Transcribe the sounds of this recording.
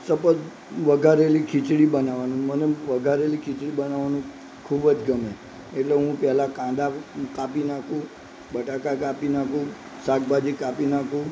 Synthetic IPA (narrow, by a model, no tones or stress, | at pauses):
səpət̪ | ʋəɡʱaɾelikʰit͡ʃɽibənaʋanũməneʋəɡʱaɾelikʰɪt͡ʃɭibənaʋanũ | kʰubəd͡ʒɡəme | eʈleɦũpɛɦlakãd̪akapinakʰũ | bəʈakakapinakʰũ | sak̚bad͡ʒikapinakʰũ